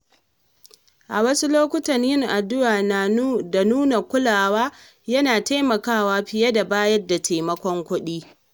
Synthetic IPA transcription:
ʔa˨wɐ˦su˦loː˦kʷʊ˦tɐ˨ɲjɪ˦ŋʔa˨dʊ˦ʔaː˨na˨da˨nuː˦na˨kʷʊ˦laː˨waː˦ | jɐ˦naː˨ta˦jmɐ˨kaː˦waː˦ɸɪ˨jɐ˦da˨baː˦jɐ˦rda˨tʰaː˨mɐ˦kʷɔ˦ŋkʷʊ˦ɗiː˦

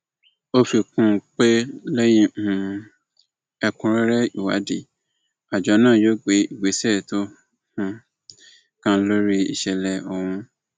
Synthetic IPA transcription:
o˦fi˨kũ˦˨k͡pe˦lɛ˦jĩ˦hũ˧ | ɛ˧kũ˧˦ɾɛ˦ɾɛ˦i˨wa̰˨˦di˨ | a˨d͡ʒɔ˨˦nãː˦˨jo˦ɡ͡be˨˦i˨ɡ͡be˨˦sɛ˦˨to˦ | hũ˧ | kã˦lo˦ɾi˦ḭ˨ʃɛ˨lɛ˨o˨w̃ũ˧

